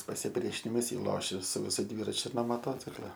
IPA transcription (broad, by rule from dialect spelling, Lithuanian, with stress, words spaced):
pɐsʲɪˈpʲrʲiɛʃʲɪnʲɪmɐs ˈjiː ˈlˠoːʃʲɛ sʊ ʋʲɪˈsʊ ˈdʲʋʲiːrɐt͡ʃʲʊ noː moːˈtoːt͡sʲɪklˠɐ